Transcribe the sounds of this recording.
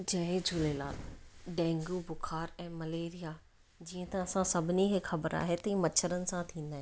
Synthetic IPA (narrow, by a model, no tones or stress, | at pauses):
d͡ʑɐ̃ɦẽd͡ʑʱʊleːla̰ːt̪ɖɛ̃ːŋɡubʊxʰaːɾɛ̃ːmɐleːɾija | d͡ʑiːə̃t̪ɐɐsãsɐbʱɪnikʰexɐbəɾa̰ːɦet̪ɐĩːmɐt͡ɕʰəɾənɪ̆sãt̪ʰĩːn̆d̪aːɦẽ